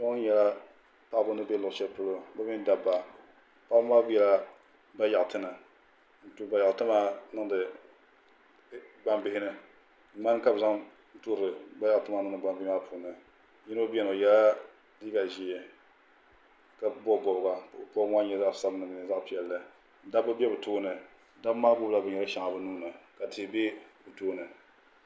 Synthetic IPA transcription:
ʃɔ˦ŋ˦ɲɛ˨la˦ | pa˦ʔbʊ˦nɨ˦be˦lʊ˨ʔt͡ʃɛ˦lpʊ˦lo˦ba˦mi˦n˦da˦bːa˨ | pa˦a˦bjɛ˨la˦ | ba˦ja˨tɨ˦nɨ˨ | n̩˨tu˦˨ba˨ja˨tɨ˦maː˦nɨ˦ŋdɨ˨ | ɡ͡ba˦mbɪ˦hɪ˦nɨ˦ | ma˦n˦ka˦bɨ˨za˦ŋ | tu˦ɾɨ˨ba˦ja˦ʔtɨ˦ma˨˦nɨ˦ŋ˨dɨ˨ɡ͡ba˨mbɪ˦ɪ˦a˦pʰuː˨nɨ˨ | ji˦no˦bɛ˦no˨ja˦la˦ | diː˦ɡa˨ʒi˦ɛ˨ | ka˨bɔ˦ɡɔ˨bɡa˨pɔ˦a˦ɲɛ˦za˦ʔsa˦bnɨ˨m˨n˨za˦ʔpi˨ɛ˨lːɨ˦ | da˦bɨ˦bɛ˦bɨ˨toː˦nɨ˨ | da˦bmaː˦bʊ˦bla˦bɨ˨ɲɛ˨ɾɨ˦ʃa˨ŋa˨bɨ˦nuː˦nɨ˨ka˨ti˨bɛ˦bɨ˨toː˦nɨ˨

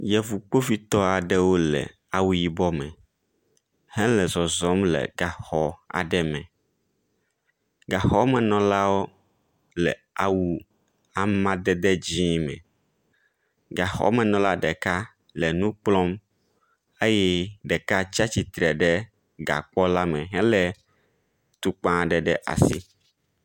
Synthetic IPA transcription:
jɛ˨vu˨k͡po˦fi˦t̪ɔ˦a˨ɖɛ˦wo˦lɛ̰˨ | a˨wu˨˦ji˨bɔ˦mɛ̰̃˨ | hɛ̃˦lɛ˨zɔ˨zɔ˨˦mlɛ̰˨ɡa˨xɔ˨a̰˨ɖɛ˦mɛ̃˨ | ɡa˨xɔ˦mɛ̃˨nɔ̃˨la˦wo˦ | lɛ̰˨ | a˨wu˦ | a˨mã˦d̪ɛ˦d̪ɛ˦d͡ʑĩ˦mɛ̰̃˨ | ɡa˨xɔ̰˦mɛ̃˨nɔ̃˨la˦ɖɛ˨ka˦ | lɛ˨nũ˦k͡plɔ˦m | e˦jɛ˦ɖɛ˨ka˦t͡ɕa˦t͡ɕi˨t̪ɾɛ˨ɖɛ˦ | ɡa̰˨k͡pɔ˦la˦mɛ̃˨ɦɛ̃˦lɛ˨ | t̪u˦k͡pã˦ɖɛ˨ɖɛ˦ʔa̰˨si˦

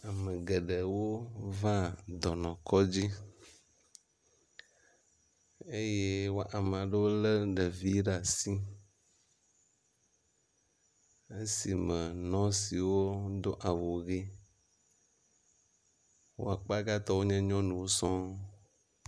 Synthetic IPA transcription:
a˨mẽ˨ɡe˨ɖe˨wo˦vã˦d̪ɔ˨nɔ̃˨kɔ˦d͡ʑi˦ | e˦je˦wo˦ʔa˨m˨a˨ɖe˦wo˦lə˦ɖə˨vi˦ɖa˨si˦ | e˦si˨mə̃˨nɔ̃˦si˨wo˦d̪o˦ʔa˨wo˨ɣi˦ | wo̰˦a˨k͡pa˦ɡa˦t̪ɔ˦wo˦ɲɛ̃˦ɲɔ̃˦nũ˨wo˦sɔ̃˦

